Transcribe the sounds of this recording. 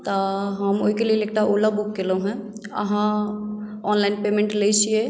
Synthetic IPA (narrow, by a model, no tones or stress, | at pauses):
t̪ɔɦəmo̰ːɦikelieleːk̚ʈaʔoːlabukːelõɦɛ̃ | ɐ̰ɦã | ɔːnlaɪnpeːmẽɳʈlet͡ʃie